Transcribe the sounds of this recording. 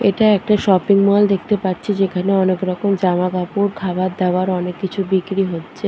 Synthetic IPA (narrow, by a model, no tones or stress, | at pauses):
eʈaɛk̚ʈaʃɔpiŋmɔld̪ek̚ʰt̪epaɾt͡ɕʰed͡ʑekʰaneɔnekɾɔkomd͡ʑamaɡapuɾkʰabat̪d̪ɛoaɾɔnekːit͡ɕʰubikɾiɦotːɕʰe